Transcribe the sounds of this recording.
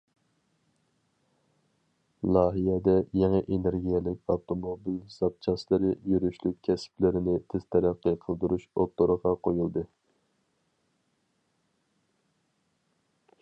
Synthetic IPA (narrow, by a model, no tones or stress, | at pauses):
lˠɑːɦijɛd̪ɛjɛŋɛʔeneɾɡʲijɛlɪkʲɑwt̪ʰomobilz̥ɑp̚t͡ʃʰɑslˠɨɾɨjyɾyʃlyk̚ʲkʲʰːɛsplɪɾɪnɪt̪ʰɪz̥t̪ʰɛɾæqːəqʰəlˠd̪uɾuʃot̪ːoɾəʁɑqʰojulˠd̪ɨ